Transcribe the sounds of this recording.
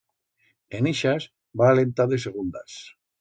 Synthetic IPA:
eneʃaz | βaːlent̪aðeseɣ̞und̪as

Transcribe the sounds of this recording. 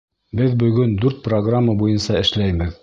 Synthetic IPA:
bɘðbɵ̆ɣɵnd̪ʉɾt̪̚proɡramːabujɤnsɑɘ̆ʃlæjβɘð

